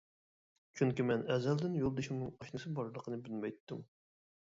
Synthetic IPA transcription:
t͡ʃʰyŋkʲimɛnɛzɛld̪ɪnjolˠd̪ɪʃimnɨŋɑʃnɨsɨbɑɾlˠəqʰənɨbɪlmɛjt̪ːum

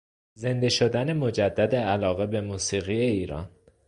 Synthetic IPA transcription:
ze̞nd̪e̞ʃo̞d̪ænemod͡ʒæd̪ːæd̪eælɒːɣe̞be̞muːsiːɣie̞iːɾɒ̰ːn

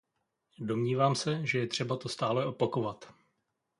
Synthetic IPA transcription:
do̞mɲiːvaːmsɛʒɛjɛt̪r̝̥ɛbat̪o̞st̪aːlɛʔo̞pako̞vat̪

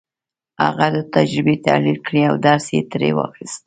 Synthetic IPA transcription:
ha̰ɣad̪ət̪ad͡ʒɾɪbet̪a̰lilkɽiawd̪ɑɾsjḛt̪ɾḛwɑ̰xist̪

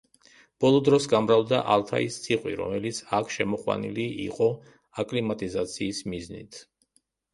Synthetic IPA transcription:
b̥ɔlˠɔd̪ɾɔsɡamɾald̪aʔalˠt̪ʰa̰ist̪sʰiqʼwḭɾɔ̰mɛlit̪sʰakʰʃɛmɔqʼwa̰nḭliḭqʼɔ | akʼlimat̪ʼizat̪sʰiːsmiznḭt̪ʰ

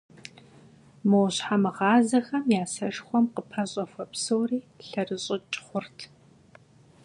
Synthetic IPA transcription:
mowɕħamɨʁɑːzɐxɐmjaːsɐʂxʷɔmqəpʰɐɕʼɐfʷɐpsɨwriː | ɬɐrɨɕʼɪt͡ʃʼχʷʊrtʰ

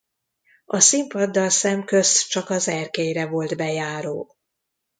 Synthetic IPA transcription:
ɒsimpɒd̪ːɒlsɛmkø̞st͡ʃɒkɒzɛrkeːjɾɛvo̞ld̪bɛjaːɾoː

